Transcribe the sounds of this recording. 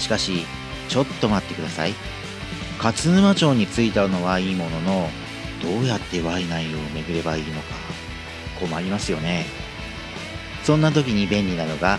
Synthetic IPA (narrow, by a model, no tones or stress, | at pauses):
ɕi̥kaɕi | t͡ɕo̞t̪ːo̞mat̪ːe̞kɯ̟d̪asa̰i | kat͡sɨɯmat͡ɕo̞ːɲ̟it͡sɨit̪aɯno̞βaiːmo̞no̞no̞ | d̪̥o̞ːjat̪ːe̞βainaijo̞ːme̞ɡɯ̟ɾe̞baiːno̞ka | kʰo̞maɾʲimasɨjo̞ne̞ | sõ̞nːat̪̬o̞kʲiɲ̟ibẽ̞nʲinano̞ɡa